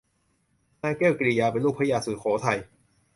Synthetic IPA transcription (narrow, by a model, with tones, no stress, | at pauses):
naː˧˥˩keː˥˩wkɾi˧˩jaː˧pe˧nlu˥˩kpʰa˦˥jaː˧sɯː˨˩kʰɔː˩˦t̪ʰa˧j